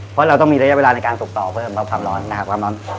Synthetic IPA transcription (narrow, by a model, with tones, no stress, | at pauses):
pʰɔ˦˥ɾa˧wt̪ɔ˥˩ŋmiː˧ɾa˦˥ja˦˥weː˧laː˧na˧jkaː˧nsu˨˩k̚t̪ɔː˨˩pʰɤː˥˩mkʰa˦˥p̚kʰaː˧mɾɔː˦nːa˧˦kʰa˦p̚kwaː˧mɾɔː˦˥n